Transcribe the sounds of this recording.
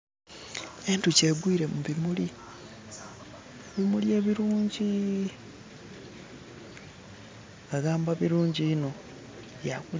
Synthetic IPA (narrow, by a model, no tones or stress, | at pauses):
entuce̞ɡwiːɾe̞muβimuli | eβimulie̞ːβiɾuːɲɟi | ŋɡaɡaːmbaβiɾuːɲɟiino̞ | jaku